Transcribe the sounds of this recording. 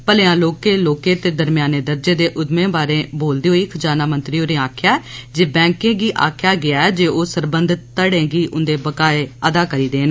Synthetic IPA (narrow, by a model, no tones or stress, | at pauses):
pəleãːloːkeːloːkẽːt̪eːd̪əɾmjaːneːd̪əɾd͡ʒeːd̪eːʔʊd̪mẽːbaːɾẽːboːld̪iːɦoːiːkʰd͡ʒaːnaːmə̃nt̪ɾiːɦoːɾẽːaːkʰjaːɛːd͡ʒeːbɛ̃ːŋkẽːɡiːʔa̰ːkʰjaːɡɪaːɛːd͡ʒeːʔoːsəɾbənd̪ʱt̪t̪ːəɽẽːɡiːʔʊnd̪eːbəkaːeːəd̪aːkəɾiːd̪eːn